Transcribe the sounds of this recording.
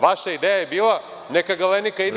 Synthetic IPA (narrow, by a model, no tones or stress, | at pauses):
ʋaʃaid̪eːjajebiːlˠa | nekaɡalenikaid̪